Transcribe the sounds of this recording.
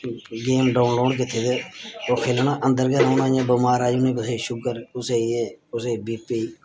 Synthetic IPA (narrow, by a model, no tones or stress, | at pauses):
ɡeːmɖaːʊnloːɖkɪt̪ʰeːd̪eːoːkʰeːlnaːʔənd̪əɾɡeɾaːnãːjãːbəmaːɾaːjuːnẽːbəseːʃʊkəɾʊseːeːʊseːbiːpiː